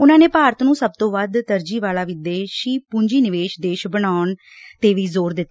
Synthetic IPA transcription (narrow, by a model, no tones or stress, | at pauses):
ʊnãːneːpaːɾət̪nũːsəb̚t̪õːʋəd̪t̪əɾd͡ʒiːʋaːlaːʋɪd̪eːʃiːpʊɲd͡ʒiːnɪʋeːʃd̪eːʃbəɽaːʊɳ | t̪eːʋiːzoːɾd̪ɪt̪ː